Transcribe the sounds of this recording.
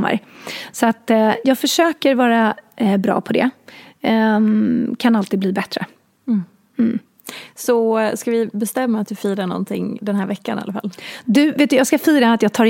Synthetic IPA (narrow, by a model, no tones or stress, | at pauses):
mːa̰ɾsɔat̪jɑːɡfœʂøːkəɾvɑːɾabɾɑ̰ːpʰɔd̪ɛ̰ | kʰanalt̪iːd̪bliːbɛt̪ɾə | m̩ | sɔskavɪbɛst̪ɛmːaːt̪̚d̪ɵfiːɾaɳɔ̰nt̪ʰɪŋd̪ɛnɦæːɾvɛkːa̰na̰afa̰lːd̪ɵveːt̪d̪ɵjɑːɡskafiːɾaat̪jɑːɡ̚t̪ʰɑːɾ